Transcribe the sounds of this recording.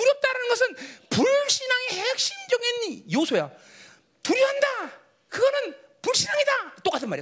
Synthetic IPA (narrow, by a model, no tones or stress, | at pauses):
tuɾjʌp̚t͈aɾanɯnɡʌsʰɯnpuɭɕʰinaŋihek̚ɕ͈imd͡ʑʌŋenjosʰoja | tuɾjʌɦanda | kɯɡʌnɯn | puɭɕʰinaŋidat͈ok͈atʰɯnmaɾe